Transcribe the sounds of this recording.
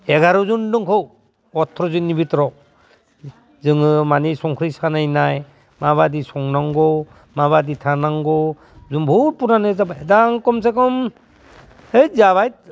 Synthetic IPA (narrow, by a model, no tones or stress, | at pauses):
eɡaɾɔzundɯŋkʰɯw | ɔtʰːɾɔzɯnːibitɾɔ | zɯŋɯmanisɔŋkʰɾisanajnaj | maβadisɔŋnaŋɡɔ | maβaditʰanaŋɡɔ | zunbʱuɾ̚punanɯzabadaŋkɔms̬ekɔm | hejzaβajt̚